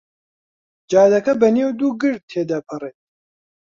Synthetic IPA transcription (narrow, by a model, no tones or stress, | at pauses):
d͡ʒaːd̪ɐkɐbɐnewd̪uːɡɨɾd̪̚t̪ʰeːd̪apʰɨreːt̪̚